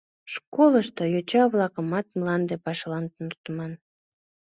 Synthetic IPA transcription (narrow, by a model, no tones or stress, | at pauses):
ʃkoləʃt̪ojot͡ɕɑβlɑkəmɑt̪̚mlɑnd̪epɑʃlɑnt̪unt̪əmɑn